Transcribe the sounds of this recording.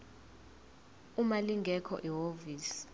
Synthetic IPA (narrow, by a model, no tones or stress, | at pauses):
umaliŋɡʱɛkʰɔ̰ʔiɦoviːsi̥